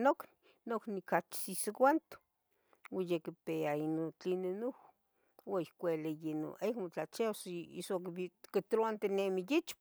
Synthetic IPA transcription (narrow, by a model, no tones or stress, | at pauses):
nokni | noknikat͡ʃsiskwant̪o̥ | wajekipeainot͡ɬinenuh | waihkʷelejeno̰ʔekmot͡ɬat͡ʃesḭsokikit̪ɾoant̪enemijit͡ʃp